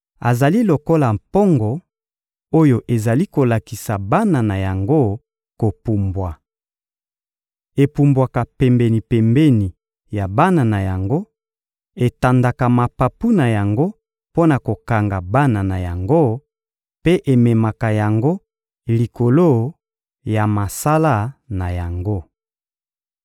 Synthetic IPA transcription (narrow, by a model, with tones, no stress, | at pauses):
a˨za˨li˦lo˨ko˦la˨mpo˦ŋɡɔ˨ | o˦jo˨ʔe˨za˨li˦ko˨la˨ki˨sa˨ba˦na˨na˨ja˨ŋɡo˦ | ko˨pu˨mbwa˨ | e˨pu˨mbwa˨ka˨pɛ˨mbɛ˨ni˨pɛ˨mbɛ˦ni˨ | ja˨ba˦na˨na˨ja˨ŋɡo˦ | e˨ta˨nda˨ka˨ma˨pa˨pu˦na˨ja˨ŋɡo˦ | po˦na˨ko˨ka˨ŋɡa˨ba˦na˨na˨ja˨ŋɡo˦ | pe˦ʔe˨me˨ma˨ka˨ja˨ŋɡo˦ | li˨ko˨lo˦ | ja˨ma˨sa˦la˦na˨ja˨ŋɡo˦